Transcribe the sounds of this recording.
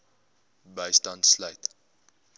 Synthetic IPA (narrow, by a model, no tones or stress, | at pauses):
bəjstɐntsləjt